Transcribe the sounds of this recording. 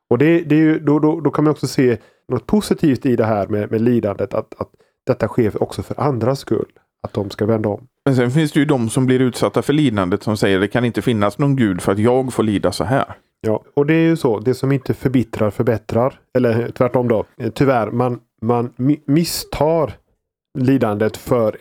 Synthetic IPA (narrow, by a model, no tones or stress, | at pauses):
ɔd̪ɛd̪ɛɾjɵd̪ɔd̪ɔd̪ɔkʰanmajɔksɔseː | nɔt̪̚pʰʊsɪt̪ʰiːft̪ɪd̪ɛɦæːɾmɛmɛliːd̪and̪ət̪ʰa̰t̪at̪ | d̪̥ɛt̪ːaɧeːfɔ̰ksɔfœɾʔand̪ɾaskɵ̰lː | at̪̚d̪ɔmskavɛnd̪aɔmmɛnsɛnfɪnsd̪ɛjɵd̪ɔmsɔmblɪɾʉ̟ːt̪sat̪ːafœɭiːd̪and̪ət̪sɔmsɛjːəɖɛkʰanɪnt̪əfɪnːasnɔːnɡʉ̟ːd̪fœɾat̪jɑːɡfoːɭiːd̪asɔ̰ɦæ̰ːɾ | jɑːɔd̪ɛæɾjɵsɔd̪ɛsɔmɪnt̪əfœɾbɪt̪ɾaɾfœɾbɛt̪ɾaɾ | ɛlːəɾt̪ʰvæʈːɔmd̪ot̪ʰʏvæɾman | manmɪst̪ʰɑːɾ | liːd̪and̪ət̪fœɾ